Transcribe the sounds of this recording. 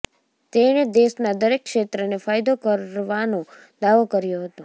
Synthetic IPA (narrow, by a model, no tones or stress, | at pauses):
t̪eñed̪esnad̪əɾekːʃet̪ɾənefajd̪okəɾʋano | d̪aʋokəɾjoɦət̪o